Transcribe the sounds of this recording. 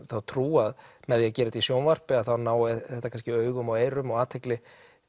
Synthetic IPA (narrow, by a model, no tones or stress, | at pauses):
θawt̪ʰɾuːaðmɛðjɛcɛːɾɪt̪isjownvar̥pɪaðθawnaːwɪθɛht̪akʰans̬cɪœːɥɣʏmɔɣeːjɾʏmɔɣaːt̪ʰhejklɪ